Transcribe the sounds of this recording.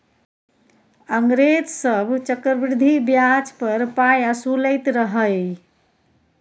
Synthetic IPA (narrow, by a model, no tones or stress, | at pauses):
əŋɡɾed͡ʒsəbʱt͡ʃəkɾbɾd̪ʱibjad͡ʒpəɾpajasuləjt̪ɾəɦəj